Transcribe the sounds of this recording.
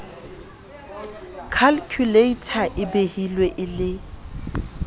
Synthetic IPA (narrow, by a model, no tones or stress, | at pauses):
kʰalkʰjuleitʰaʔɪbehilweʔɪlɪ